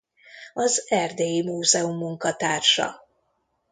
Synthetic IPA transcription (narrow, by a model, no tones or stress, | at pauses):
ɒzɛrd̪eːjimuːzɛumːuŋkɒt̪aːrʃɒ̰